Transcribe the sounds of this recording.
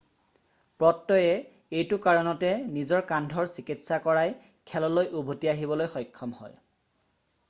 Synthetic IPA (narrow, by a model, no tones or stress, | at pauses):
pɹɔtːɔjɛ | ejtʊkaɹɔnɔtɛnizɔɹkandʱɔɹsikitsakɔɹaj | kʰɛlɔlojʔubʱotiaɦibɔlojxɔjkʰːɔmhɔ̰j